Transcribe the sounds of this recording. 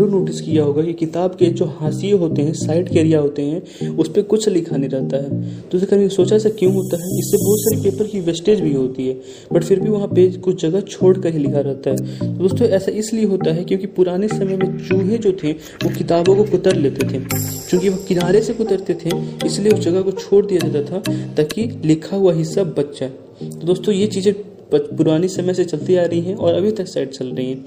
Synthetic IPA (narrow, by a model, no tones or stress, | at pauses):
uːɾnoːʈɪskijaɦoːɡakikɪt̪aːbked͡ʒoːhaːsijɦoːt̪eɦɛ̃saːɪʈkeːɾijaɦoːt̪eɦɛ̃ | ʊspekʊt͡ʃʰlɪkʰaːneɾɐɦt̪aɦɛːtd̪̥oːsɾekʰɐɾmeːsoːt͡ʃaɛːsakjũɦoːt̪aɦɛɪsːebɔːt̪saːɾipeːpəɾkiʋɛsʈeːd͡ʒbʱiɦoːt̪iɦɛː | bɐʈfɪɾbʱiʋɐɦãpekʊt͡ʃʰd͡ʒɐɡət͡ʃʰoːɽkɐɾɦilɪkʰaɾɛɦt̪aɦɛːt̪od̪oːst̪õɛːsaɪslieɦoːt̪aɦɛkjõːkipʊɾaːnesɐməjmẽt͡ʃuːɦẽd͡ʒoːt̪ʰẽ | ʋokɪt̪aːbõkokʊt̪əɾleːt̪et̪ʰekjõːkiʋɐkɪnaːɾesekʊt̪əɾt̪et̪ʰeɪslieʊsd͡ʒɐɡəkot͡ʃʰoːɽd̪ijad͡ʒaːt̪at̪ʰat̪aːkilɪkʰaɦʊaɦɪsːabɐt̪ːʃaɛ | t̪od̪oːst̪õjet͡ʃiːzẽ | pʊɾaːnisɐməset͡ʃɐlt̪id͡ʒaːɾɐɦiɦɛ̃ʔɔːɾɐbʱit̪ɐksaːɪɖt͡ʃɐlɾɐɦĩɦɛ̃ː